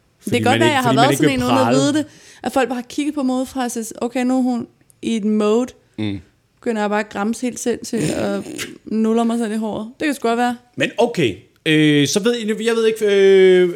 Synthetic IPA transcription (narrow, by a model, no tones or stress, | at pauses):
d̥ekʰæɡɒ̽ʋɐjɑ̈ɪhɑ̈æɐðsne̝nmoːn̩ˠæʋiːð̞ˠd̥e̝ | ʔæfɒ̽l̰ɡ̥̚ɑːkʰiɡ̥əð̩ˠpʰɒ̽moːð̞ˠfʁɑ̈sisʔoʊkʰeɪnuɦun | ʔied̥mɔʊ | b̥e̝ɡ̥øn̰ɐjɑ̈bɑ̈ːɡ̥ʁɑ̈mshe̝̰ld̥sel̰t͡sʰe̝ɒ̽nolɐmɑ̈ɪsel̰iɦɒ̰ːð̩ˠd̥ekʰæ̥sɡ̥ɒd̥ʋæːɐmenoʊkʰeɪ | øsɒ̽ʋe̝ð̞̰ˠjɑ̈ɪʋe̝ð̞̰ˠeɡ̥ø